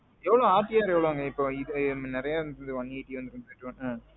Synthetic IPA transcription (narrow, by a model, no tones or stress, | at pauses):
ɛʋːɐɭõaːʈːɪjaːɾɛʋɐɭoŋɡɐɪpːoɪðnɪɾɐjaʋɯnd̪ɯɾɯnd̪ɯʋɐnːiːʈːiʋɐnd̪ɯɾɯnd̪ʈːɯʋɐnɯ